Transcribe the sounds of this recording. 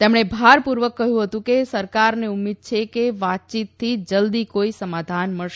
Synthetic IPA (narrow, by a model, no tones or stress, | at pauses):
t̪emɳ̃ebʱaɾpuɾʋəkːəɦjũɦət̪ũkesəɾkaɾneumːid̪̚t͡ʃʰekeʋat̪̚t͡ʃit̪ʰːid͡ʒəld̪ikoisəmad̪ʱanməɭʃ